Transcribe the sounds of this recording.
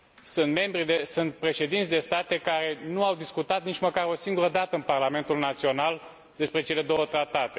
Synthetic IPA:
sɨnt̪me̞mbɾid̪esɨnt̪̚pɾe̞ʃe̞d̪int̪sʲd̪e̞st̪at̪e̞kaɾe̞nuawd̪iskut̪at̪̚nit͡ʃməkaɾo̞siŋɡuɾəd̪at̪əɨnparlame̞nt̪ulnat̪sio̞nal | d̪e̞spɾe̞t͡ʃe̞le̞d̪o̞wət̪ɾat̪at̪e̞

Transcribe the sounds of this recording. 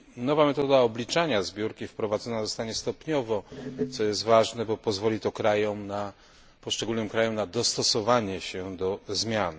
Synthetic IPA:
nɔvamɛt̪ɔd̪aɔblʲit͡ʂaɲazbʲjuɾkʲifpɾɔvad̪zɔnazɔst̪aɲɛst̪ɔpɲɔvɔt̪sɔjɛst̪vaʐnɛbɔpɔzvɔlʲit̪ɔkɾajɔmna | pɔʂt͡ʂɛɡulnɘmkɾajɔmnad̪ɔst̪ɔsɔvaɲɛɕɛd̪ɔzmʲjan

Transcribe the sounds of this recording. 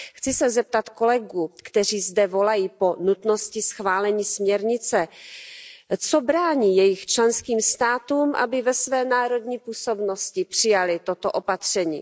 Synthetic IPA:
xt͡sɪsɛzɛp̚t̪at̪ko̞lɛɡuːkt̪ɛr̝iːzdɛvo̞lajiːpo̞nut̪no̞scɪsxvaːlɛɲiːsmɲɛɾɲɪt͡sɛ | t͡sobɾaːɲiːjɛjɪxt͡ʃlɛnskiːmst̪aːt̪uːmʔa̰bɪvɛsvɛːnaːɾo̞d̪ɲiːpuːso̞bno̞scɪpr̝̥ɪjalɪt̪o̞t̪oʔo̞pat̪r̝̥ɛɲḭː

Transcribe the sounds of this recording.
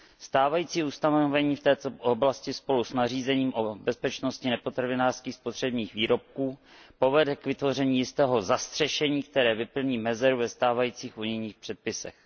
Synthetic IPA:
st̪aːvajiːt͡siːust̪anoovɛɲiːft̪ɛːt̪ooblascɪspo̞lusnariːzɛɲiːmʔobɛspɛt͡ʃno̞scɪnɛpo̞t̪ɾavɪnaːr̥skiːxspot̪r̝̥ɛbɲiːxviːɾo̞p̚kuː | po̞vɛdɛkvɪt̪vo̞rɛɲiːjɪst̪ɛːɦo̞zast̪r̝̥ɛʃɛɲiːk̚t̪ɛɾɛːvɪpl̩ɲiːmɛzɛɾuvɛst̪aːvajiːt͡siːxʔuɲɪjɲiːxpr̥ɛt̪̚pɪsɛ̰x

